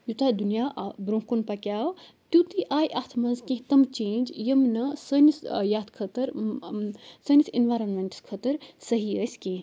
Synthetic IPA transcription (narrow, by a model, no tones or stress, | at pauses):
jut̪ad̪unijaʔbɾõːkonpɐkʲaː | t̪jut̪iʔaːjʔat̪ʰmɐnzkẽɦt̪ɐmt͡ʃẽːnd͡ʒjɐmnɐsənisjaːt̪ʰkʰət̪əɾ | sənisinʋaːjɾɐnmeɳʈskʰət̪əɾsɐɦiəsʲkẽ